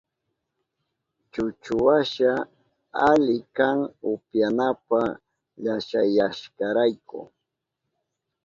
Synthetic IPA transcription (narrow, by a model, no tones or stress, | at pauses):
t͡ʃʊt͡ʃʊwaʃa | aʎɪkaŋʊpjanapa | ʎaʃajaʃkaɾajkʊ̰